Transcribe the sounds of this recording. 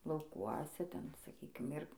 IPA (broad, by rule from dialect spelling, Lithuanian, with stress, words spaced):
lˠɐʊˈkuɔsʲɛ ˈtʲɛn sɐˈkʲiːkʲɪm ˈɪr